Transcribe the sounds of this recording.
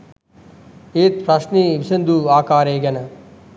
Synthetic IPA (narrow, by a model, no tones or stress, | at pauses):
eːt̪̚pɾɐʂniːʋisɐnd̪uaːkaːɾeːɡɐnɐ